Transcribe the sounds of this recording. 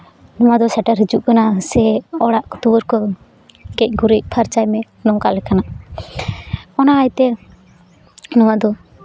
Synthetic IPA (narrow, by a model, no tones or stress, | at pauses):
nɔwad̪ɔsaʈəɾɦid͡ʒuʔkanasɛɔɽaʔkut̪ubəɾkɔ | ɡɛc̚ˀɡuɾic̚pʰaɾt͡ʃajmɛ | nɔŋkaʔlɛkanaʔ | ɔnaːjt̪ɛ | nɔwad̪ɔ